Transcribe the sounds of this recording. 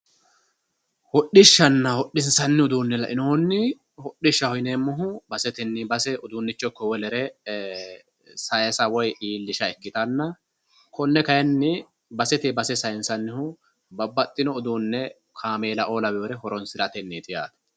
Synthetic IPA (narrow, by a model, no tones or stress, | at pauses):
hɔɗːɪʃːɐnːɐhɔɗːɪnsɐnːɪʊd̪uːnːɛlɐ̰ʔɪnoːnːɪ | hɔɗːɪʃːɐhɔjɪneːmːʊɦʊbɐsɛt̪ɛnːɪbɐsɛʔʊd̪uːnːɪt͡ʃːɔkːɔwɛlɛɾɛ | sɐjɐsɐwɔjiːlːɪʃɐɛkːɪt̪ɐnːɐ | kɔnːɛkɐjɐnːɪ | bɐsɛt̪ɛbɐsɛsɐjɪnsɐnːɪhʊ | bɐbːɐt̪ʼːɪnɔʊd̪uːnːɛ | kʰaːmeːlɐʔo̞ːlɐbɛoːɾɛhɔɾɔnsɪlɐt̪ɛnːiːt̪ɪja̰ːt̪ɐ̥